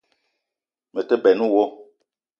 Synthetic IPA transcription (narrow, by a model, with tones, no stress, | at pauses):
mə˨tə˦bɛ˨nu˦wo˦